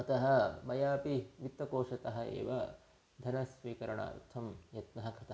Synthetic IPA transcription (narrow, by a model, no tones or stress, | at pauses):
ɐt̪ɐɦɐmɐjaːpiʋit̪ːɐkoːʂɐt̪ɐɦɐ̆ḛːʋɐ | d̪ʱɐnɐsʋiːkɐɾɐɳa̰ːṵt̪ʰɐmjɐt̪nɐɦɐkʰɐt̪ɐ